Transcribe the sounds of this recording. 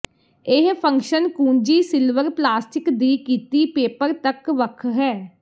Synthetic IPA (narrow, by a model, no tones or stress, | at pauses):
ɪɦpʰə̃ŋkʃənkuːnd͡ʒiːsɪlʋəɾplaːsʈɪkd̪iːkiːt̪iːpeːpəɾt̪əkʋəkʰɦɛː